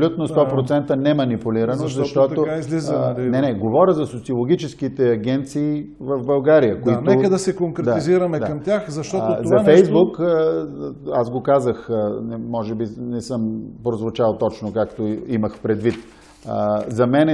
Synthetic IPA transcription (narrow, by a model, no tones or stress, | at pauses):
lʲut̪nost̪ɔpɾot̪sɛnt̪ənɛmɐnipʊliɾɐnoʃzɐʃt̪ɔt̪oizlizənɛnɛɡovɔɾʲəzɐsot̪siolˠoɡʲit͡ʃɛskit̪ɛɐɡʲɛnt̪siː | vəvbɐlˠɡaɾijəkoitnoɛkəd̪ɐsɛkoŋkɾɛd̪aiziɾɐmɛd̪akɐmt̪ʲjaxzɐʃt̪ɔt̪oɐafɛjzbuk | asɡokazəxnɛmɔʒɛbinɛsɤmpɾozvot͡ʃalˠt̪ɔt͡ʃnokakt̪oimɐxpɾɛd̪vit̪ː | zɐmɛnɛ